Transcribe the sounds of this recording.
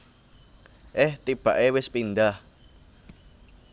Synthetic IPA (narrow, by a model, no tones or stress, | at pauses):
ʔɪht̪ib̥ä̤ʔewɪspind̪ah